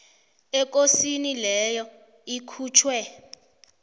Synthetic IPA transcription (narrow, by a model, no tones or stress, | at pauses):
ɛk̬osinilɛjɔ | ikʰuːt͡ʃʰwɛ